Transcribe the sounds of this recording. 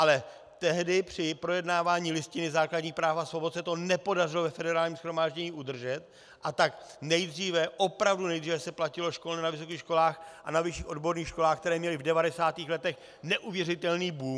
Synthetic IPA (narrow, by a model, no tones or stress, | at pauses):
ʔalɛ | t̪ɛɦdɪpr̝̥ɪpɾo̞jɛdnaːvaːɲiːlɪscɪnɪzaːklaɟɲiːxpɾaːfasvo̞bot̪sɛt̪o̞nɛpo̞dar̝ɪlovɛfɛdɛɾaːlɲiːmsxɾo̞maːʒɟɛɲiːʔud̪r̩ʒɛt̪̚ | ʔat̪ak | nɛjd̪r̝iːvɛʔo̞pɾavdunɛjd̪riːvɛsɛplacɪlo̞ʃko̞lnɛnavɪs̬o̞k̬iːxʃko̞laːxʔanavɪʃiːxodbo̞ɾniːxʃko̞laːxk̚t̪ɛɾɛːmɲɛlɪvdɛvadɛsaːt̪iːxlɛt̪ɛx | nɛʔuvjɛrɪt̪ɛlniːbuː